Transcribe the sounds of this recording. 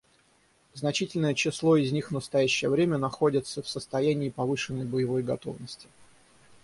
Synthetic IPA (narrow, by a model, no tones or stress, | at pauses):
znɐt͡ɕitʲɪlʲnəjət͡ɕɪslˠo̞ɪzʲnʲixvnəst̪ɐjæɕːɪjəvɾʲemʲənɐxo̞dʲɪt̪səfsəst̪ɐjænʲɪːpɐvɨʂɨnːəjbəjɪvo̞jɡɐt̪o̞̰vnəsʲtʲɪ